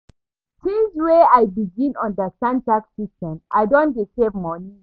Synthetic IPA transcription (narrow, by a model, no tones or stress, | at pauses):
sĩnsweajbiɡĩnɔ̃ndəstãntaksistɛ̃mʔa̰ɪdõndesevmɔni